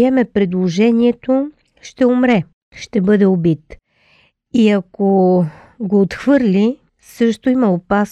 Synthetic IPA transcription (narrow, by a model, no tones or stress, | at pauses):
ɛmɛpɾɛd̪lˠoʒɛniɛt̪o | ʃt̪ɛomɾɛ | ʃt̪ɛbɤd̪ɛobit̪ | iɐko | ɡoːt̪xvɤɾlʲi | sɤʃt̪oimɐopas